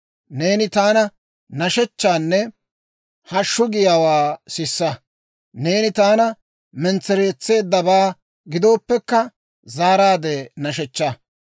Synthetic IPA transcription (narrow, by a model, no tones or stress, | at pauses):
ne̞ːnɪt̪aːnɐ | nɐʃɛt͡ʃːaːnːɛ | hɐʃːʊɡɪjaːwaːsɪsːɐ | ne̞ːnɪt̪aːnɐ | mɛnt͡sːɛɾe̞ːt͡sːe̞ːd̪ːɐbaː | ɡɪd̪o̞ːpːɛkːɐ | zaːɾaːd̪eːnɐʃɛt͡ʃːa